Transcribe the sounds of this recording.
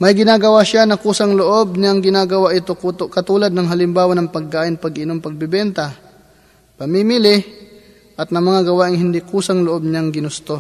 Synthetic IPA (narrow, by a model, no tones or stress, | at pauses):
mɐjɡɪnaːɡɐwaʃanɐkuːsɐŋloʔo̞b̚ɲaŋɡɪnaːɡɐwaʔɪt̪okut̪okɐt̪uːlɐd̪̚nɐŋɦɐlɪmbaːwɐnɐŋpɐɡ̚kːaːʔɪnpɐɡɪnompɐɡ̚bɪbɛnt̪ɐ | pɐmimɪlɪ | ʔɐt̪̚nɐmɐŋaɡɐwaʔɪŋhɪnd̪ikuːsɐŋloʔo̞b̚ɲaŋɡɪnʊst̪o̞